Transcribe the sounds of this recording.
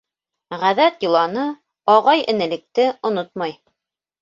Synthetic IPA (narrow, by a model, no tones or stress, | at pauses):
ʁæðæt̪jŏlˠɑnɤ | ɑʁɑjɘ̆nɘ̆lɘ̆k̚t̪ɘŏnot̪̚mɑj